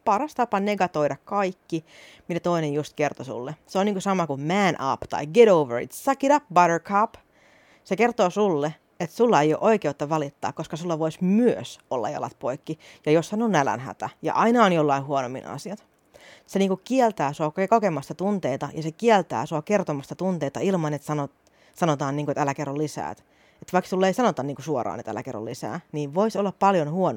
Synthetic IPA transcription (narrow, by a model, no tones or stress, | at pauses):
pɑrɑst̪ɑpɑneɡɑt̪oiɾɑkkɑikːi | mit̪æt̪oinejjust̪kert̪osṵlːeseoniŋkusɑmɑkumæːnʔɑ̰pt̪ɑ̰iɡeɾouʋə̰ɹḭt̪sɑkiɾɑpbɑɾərkʰɑp | sekert̪oːsulːe | et̪sulːɑejo̰ʔoikeut̪ːɑʋɑlit̪ːɑ̰ːkkoskɑsulːɑʋoismyøsolːɑ̰jɑ̰lɑ̰t̪̚poikːijɑjossɑnonælæ̰nhæ̰t̪æjɑ̰ʔɑinɑonjolːɑiɦuonomːḭnɑ̰siɑt̪ | seniːŋkukkielt̪æːsuɑkokemɑst̪ɑt̪unt̪eit̪ɑjɑsekielt̪æ̰ːsuɑkert̪omɑst̪ɑt̪unt̪eit̪ɑilmɑnet̪sɑno | sɑnot̪ɑːnniːŋkuet̪ælækerːollisæ̰ːt̪ | et̪ʋɑiksulːeisɑnot̪ɑnniːŋkusuorɑ̰ːnet̪æ̰læ̰kerːo̰lːisæ̰ːniːʋʋo̞isolːɑppɑljonhuon